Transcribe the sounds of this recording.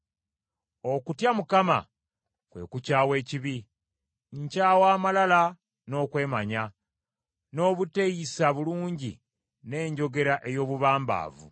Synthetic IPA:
okutjamukama̰ | kwe̞̰kucawe̞ːciβi | ɲ̩caːwaːmalala | no̞ːkwe̞ːmaɲa | no̞ːβute̞jisaβuluːɲɟḭ | ne̞ːɲɟo̞ɡe̞ɾaʔe̞jo̞ːβuβaːmba̰ːvṵ

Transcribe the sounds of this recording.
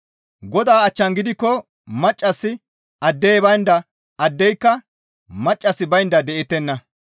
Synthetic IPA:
ɡɔd̪aːɐt͡ʃːɐnɡɪd̪ɪkːɔ | mɐt͡ʃʼːɐsːɪ | ɐd̪ːeːbɐjnd̪ɐ | ɐd̪ːɛjkːɐ | mɐt͡ʃʼːɐsːɪbɐjnd̪ɐd̪ɛʔɪt̪ːɛnːɐ

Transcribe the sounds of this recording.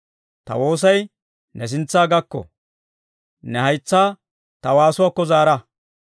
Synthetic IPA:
t̪ɐ̰wo̞ːs̬ɐj | nɛs̬ɪnt͡sːaːɡɐkːɔ̰ | nɛhɐjt͡sːaː | t̪ɐwaːsʊwaːkːɔzaːɾɐ

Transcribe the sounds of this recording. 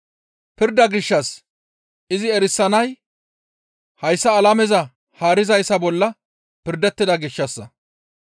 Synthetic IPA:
pɪɾd̪ɐɡɪʃːɐs | ʔɪzɪɛɾɪsːɐnɐj | hɐjsːɐːlɐmɛzɐ | haːɾɪzɐjsɐbɔlːɐ | pɪɾd̪ɛt̪ːɪd̪ɐɡɪʃːɐsːɐ

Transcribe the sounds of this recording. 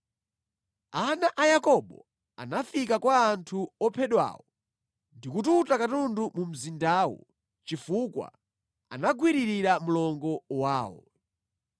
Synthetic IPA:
anaʔajakɔɓɔ | a̰nafikakwaːntʰuɔpʰɛɗwa̰wɔ | ndikututakatundumum̩zindaːwɔ̰ | t͡ʃifukwa̰ | a̰naɡwiɾiɾiɾamulɔŋɡɔwaːwɔ̰

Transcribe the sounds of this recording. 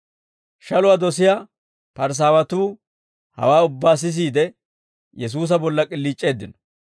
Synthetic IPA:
ʃɐlʊwaːd̪ɔsɪja | pɐɾs̬aːwɐt̪uː | hɐ̰waːʊbːaːs̬ɪs̬iːd̪ɛ | jɛs̬uːs̬ɐbɔlːɐkʼɪlːiːt͡ʃʼːe̞ːd̪ːɪnɔ̥

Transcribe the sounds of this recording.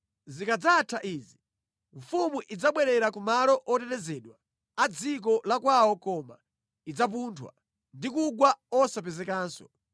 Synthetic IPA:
zikad͡zatʰaʔiːzi | ɱfumuʔid͡zaɓwɛɾɛɾakumalɔʔɔtɛtɛzɛɗwaː | d͡zik̬ɔlakwawɔkɔma | id͡zap̬uːntʰwa̰ | ndikuɡwaɔsap̬ɛzɛkaːnsɔ̥

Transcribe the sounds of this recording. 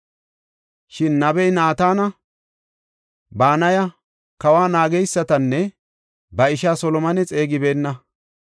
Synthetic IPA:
ʃɪnːɐbɛjnaːt̪aːnɐ | baːnɐjɐ | kɐwaːnaːɡɛjsːɐt̪ɐnːɛ | bɐɪʃaːsɔlɔmɐnɛt͡sʼe̞ːɡɪbe̞ːnːɐ

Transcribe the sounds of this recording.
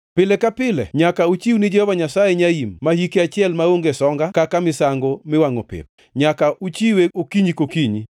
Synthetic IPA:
pɪlɛkapɪlɛ̰ɲakaut͡ʃiwnɪd͡ʒɛhɔvaɲasajɛɲaimːahikeat͡ʃɪɛlmaoŋɡesɔŋɡakakamɪsaŋɡomɪwaŋo̰pɪ̰p̚ | ɲakaʔut͡ʃiweokiɲikokiɲi

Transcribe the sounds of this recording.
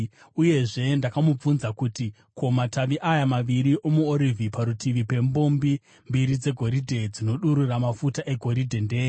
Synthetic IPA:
uje̞ʐe̞ndakamup͡funzakuti | kʰo̞mataʋiʔajamaʋiɾiʔo̞muoɾivʱipaɾutiʋipe̞mbo̞mbi | mbiɾid͡ze̞ɡʱo̞ɾidʱe̞d͡zino̞ɗuɾuramafutaʔe̞ɡʱo̞ɾidʱe̞ndeː

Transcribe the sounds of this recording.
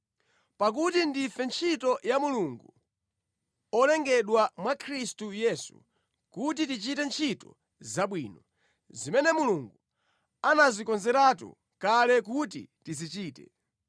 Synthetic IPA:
pak̬utindifɛnt͡ʃʰitɔjamuluŋɡu | ɔlɛŋɡɛɗwamwakʰɾistujɛsṵ | kut̬itit͡ʃitɛnt͡ʃʰitɔ̰ | zaɓwiːnɔ | zimɛnɛmuluŋɡu | anazikɔnzɛɾatṵ | kalɛk̬utḭtizit͡ʃiːtɛ̰

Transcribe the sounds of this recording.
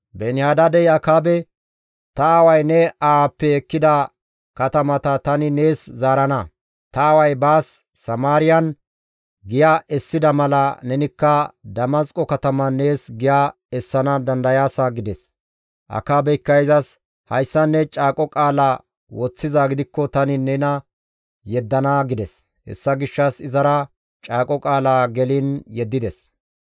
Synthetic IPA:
bɛnɪjaːd̪ɐd̪ɛjɐkaːbɛ | t̪ɐːwɐjnɛaapːɛɛkːɪd̪ɐ | kɐt̪ɐmɐt̪ɐt̪ɐnɪne̞ːszaːɾɐnɐ | t̪ɐːwɐjbaːsː | ɐmaːɾɪjɐn | ɡɪjaʔɛsːɪd̪ɐmɐlɐnɛnɪkːɐd̪ɐmɐskʼɔkɐt̪ɐmɐnːe̞ːsɡɪjaː | ɛsːɐnɐd̪ɐnd̪ɐjaːsaɡɪd̪ɛs | ʔɐ̰kaːbɛjkːɐjzɐs | hɐjsːɐnːɛt͡ʃʼaːkʼɔkʼaːlaː | wɔt͡sːɪzaːɡɪd̪ɪkːɔt̪ɐnɪnɛnɐ | jɛd̪ːɐnaɡɪd̪ɛs | hɛ̰sːɐɡɪʃːɐsɪzɐɾɐ | t͡ʃʼaːkʼɔkʼaːlaːɡɛlɪnjɛd̪ːɪd̪ɛs

